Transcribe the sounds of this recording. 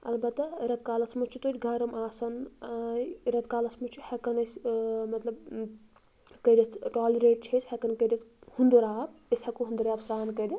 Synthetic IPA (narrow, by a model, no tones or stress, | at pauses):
ɐlbɐt̪ːɐɾɐt̪kaːlɐsmut͡ʃʰut̪oɾʲɡʱɐɾɐmaːsɐn | ɾɐt̪kaːlɐsmut͡ʃʰihɐkɐnɐsmɐt̪lɐb | kɐɾʲit̪ʰʈaːlɐɾeːʈ̚t͡ʃʰɐsʲhekɐnkɐɾʲit̪hund̪oɾaːb̚eshɐkuɦund̪uɾʲjaːbsɾaːnkɐɾi